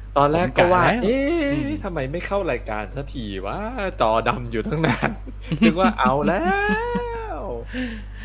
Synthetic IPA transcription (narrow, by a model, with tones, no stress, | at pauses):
t̪ɔː˧nlɛː˥˩kːɔː˥˩waː˥˩ʔeː˧˥t̪ʰa˧mːa˧jma˥˩jkʰa˥˩wɾaː˧jkaː˧nsa˧˥t̪ʰiː˨˩waː˦˥˩t͡ɕɔː˧da˧mjuː˨˩t̪ʰa˥˩ŋnaː˧˩˥n | tʰɯ˦˥˩k̚waː˥˩ʔa˨˥wlɛː˦˥ | w